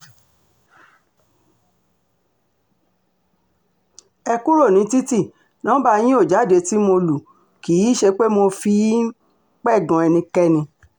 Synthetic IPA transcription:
ɛ˧ku˦ɾo˦˨nĩ˨˦ti˦ti˦˨ | nã˨˦ba˧j̃ĩ˦o˦˨d͡ʒa˨˦de˨˧ti˦mo˧lu˨ | ki˨˦ʃe˧k͡pe˦mo˧fi˧˦ | k͡pɛ˦˨ɡɔ̃˨˧ɛ˧nĩ˧kɛ˦nĩ˧

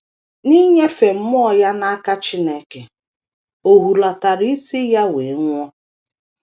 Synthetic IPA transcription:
ni˦ɲe˦fe˨m̩˦mʊ˦ɔ˨ja˦na˦a˦ka˦t͡ʃi˦ne˦ke˨ | o˨ɦu˨la˨ta˨ɾi˦i˦si˦ja˦we˨˦ŋʷɔ˦

